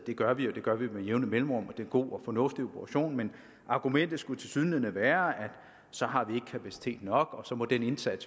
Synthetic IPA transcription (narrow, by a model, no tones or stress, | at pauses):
d̥e̝ɡ̥ɶɐʋijo̝d̥e̝ɡ̥ɶɐʋimeje̝ʊnð̩ˠmelm̩ʁɔ̽m̰ɒd̥enɡ̥o̝̰ːɒ̽fɒ̽nɔ̽fd̥io̝pʰʁɑ̈ɕo̝̰ːnmen | ʔɑ̈ɡ̥umen̰d̥ð̩ˠsɡ̥ut͡sʰe̝lsyðˠn̩linəʋæːɐæd̥ | sɒ̽ɦɑ̈ʋie̝ɡ̥əkʰæpʰæsi̥t͡sʰe̝̰ːd̥nɒ̽ɡ̥ɒ̽sɒ̽mɒ̽d̥ene̝nsæd̥s